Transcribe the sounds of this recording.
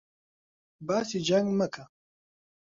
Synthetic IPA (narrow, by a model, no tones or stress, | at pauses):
baːsid͡ʒaŋɡməkʰa